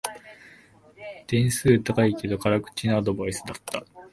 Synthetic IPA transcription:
d̪̥ẽ̞ɰ̃sɨːt̪akaike̞d̪o̞kaɾakɯ̟̥t͡ɕinoad̪o̞baisɨd̪at̪ːa

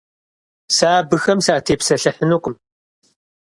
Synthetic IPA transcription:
saːbɨxɐmsaːtʰeːpsɐɬɐħənuːqʷʼʊm

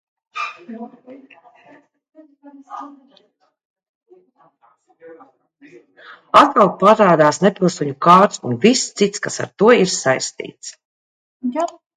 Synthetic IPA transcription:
at̪̚kalˠpaɾaːd̪aːsnepʲilˠsɔɲukaːɾt̪sṵnvist̪sit̪skasa̰ɾt̪uɔiɾsajst̪ḭːt̪s

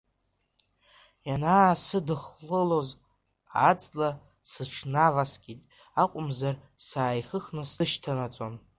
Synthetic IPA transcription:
janaːsɨdɨχlɨlo̞z | at͡sʼla | sɨʈ͡ʂʰnavasɡʲʼitʼ | aqʷʼʊmzarsaːjχɨχnɨsɨʃtʰanat͡sʷʼon

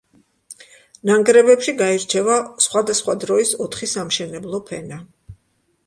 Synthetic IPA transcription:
naŋɡɾɛbɛpʃiɡaiɾt͡ʃʰɛvasχwad̪asχwad̪ɾɔisɔt̪ʰχisamʃɛnɛblˠɔpʰɛna

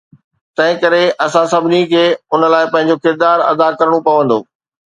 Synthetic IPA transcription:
t̪ɐ̃ɦɪ̃kɐɾeʔɐsãsɐbʱɪnikʰeːʊnə̆laːɪpɐ̃ɦɪ̃ɲ̆d͡ʑokʰɪɾd̪aːɾɐ̰d̪akɐɾəɽ̃opɐʋə̃nd̪o̰ː

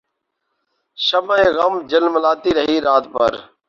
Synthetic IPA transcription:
ʃəməẽːɣəmd͡ʒəlmlaːt̪iːɾəɦiːɾaːt̪pə̰ɾ

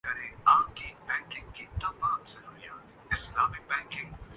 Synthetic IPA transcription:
kɐɾẽaːkibɛ̃ːŋkɪ̃ŋkit̪ɐmaːmselʊnija̰ːn | ɪslaːmɪk̚bɛ̃ːŋkɪ̃ŋ

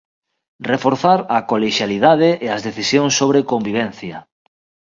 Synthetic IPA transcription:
refoɾθaɾɐkoleʃjaliðað̞eʔːazðeθisjoŋsːoβ̞ɾekombiβɛn̟θja

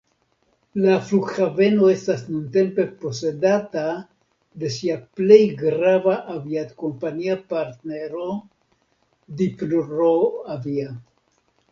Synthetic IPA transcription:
laflukxave̞no̞e̞st̪asnunt̪e̞mpe̞po̞se̞d̪at̪a | d̪e̞siaple̞jɡɾavaʔaviat̪ko̞mpaɲiapaɾt̪neɾo | d̪iploɾoavia

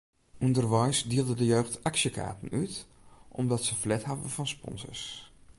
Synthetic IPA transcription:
ʔundərʋɔjsdiəlˠdədəjøːxtaksjəkʰa̰ːtən̩yt | ʔɔ̰mdɔtsəflɛthavə̰vɔnspɔ̰nzə̰ɹs

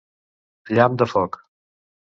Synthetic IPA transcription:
ʎamd̪əfɔk

